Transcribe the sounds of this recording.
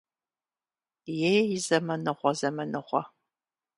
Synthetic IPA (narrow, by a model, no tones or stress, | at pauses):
jejjɪzɐmɐnɨʁʷɔzɐmɐnɨʁʷɔ